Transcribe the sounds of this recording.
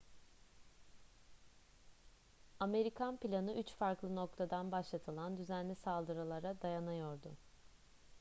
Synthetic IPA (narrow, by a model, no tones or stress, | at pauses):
ame̞ɾikʰanpilʲanɯyt͡ʃfaɾklˠɯnok̚t̪ʰad̪anbaʃlˠat̪ʰɯlˠand̪yzænlʲɛsalˠd̪ɯɾalˠaɾad̪ajanajo̞ɾd̪ʊ̰